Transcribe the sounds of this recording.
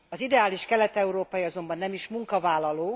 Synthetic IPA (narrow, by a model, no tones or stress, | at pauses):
ɒzid̪ɛaːliʃkɛlɛt̪ɛuɾoːpɒjiɒzo̞mbɒnːɛmiʃmuŋkɒvaːlːɒloː